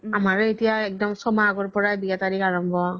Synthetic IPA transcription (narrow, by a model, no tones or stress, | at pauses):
amaɹetijaɛk̚dɔmsɔmaɡɔɹpɔɹajbiɡataɾikaɹɔmbɔ